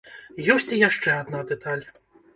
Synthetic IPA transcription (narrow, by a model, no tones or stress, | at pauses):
jɔsʲt͡sʲijaʂt͡ʂɛad̪nad̪ɛt̪ʰalʲ